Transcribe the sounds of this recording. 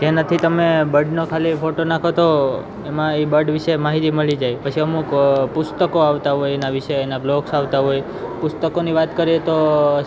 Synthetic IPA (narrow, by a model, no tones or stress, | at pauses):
d͡ʒanət̪ʰit̪əmebəɖnokʰalipʰoʈonakʰot̪o | emãibəɖʋɪʃemaɦit̪iməɭid͡ʒajpət͡ʃʰiəmukpʊst̪əkoaʋt̪aɦojenaʋɪʃeːnabloksaʋt̪aɦoj | pʊst̪əkoniʋat̪kəɾiet̪o